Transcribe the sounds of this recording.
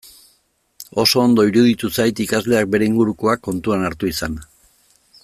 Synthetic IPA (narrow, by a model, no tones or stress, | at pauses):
o̞so̞ːnd̪o̞iɾuð̞it̪usajt̪ikazle̞ak̚be̞ɾe̞iŋɡuɾuko̞akːo̞nt̪uanaɾt̪uisan